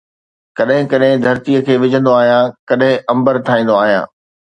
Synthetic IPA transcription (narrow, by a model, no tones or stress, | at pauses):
kɐɗɦɪ̃kɐɗɦɪ̃d̪ʱɐɾt̪iəkʰeːʋɪd͡ʑʱə̃nd̪oaːɦijãkɐɗɦɪ̃ʔɐ̃mbəɾt̪ʰaːĩːnd̪oaːɦijã̰ː